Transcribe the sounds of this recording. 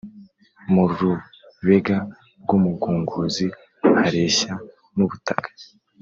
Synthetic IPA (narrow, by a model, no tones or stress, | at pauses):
muɾuɾu | βe̞ɡa | ɾɡumuɡuːŋɡuzi | haɾe̞ːɕa | nuβutakḁ